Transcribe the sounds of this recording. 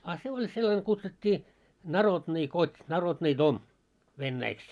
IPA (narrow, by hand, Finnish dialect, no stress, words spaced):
ɑ se olʲ selːɑne kutsutʲːiː nɑrodni kotʲ nɑrodniː dom ʋenːæiks